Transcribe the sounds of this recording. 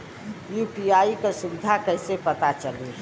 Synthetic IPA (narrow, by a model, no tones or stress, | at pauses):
juːpiaikesubɪd̪ʱakəɪsepət̪at͡ʃəli